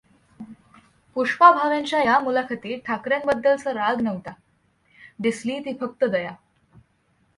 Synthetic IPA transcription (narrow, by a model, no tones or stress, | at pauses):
puʂpabʱaʋjãɲt͡ɕjajamulakʰət̪iːʈʰakɾjãmbəd̪ːəlt͡səɾaɡnəʋt̪a | ɖ̪isliːt̪iːfək̚t̪əd̪əja